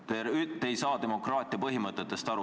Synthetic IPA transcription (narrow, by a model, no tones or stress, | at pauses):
t̪eyt̪ːe̞jsɑːt̪e̞mo̞krɑːt̪ʲˑiɑpɤɦimɤt̪ːˑet̪ːˑe̞st̪ɑɾu